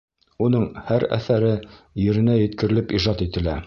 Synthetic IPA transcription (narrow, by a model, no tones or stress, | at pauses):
unɤɴhæɾæ̰θæɾɘjɘ̆ɾɘ̆næjɘ̆t̪kɘ̆ɾɘ̆lɘpiʒɑt̪it̪ɘ̆læ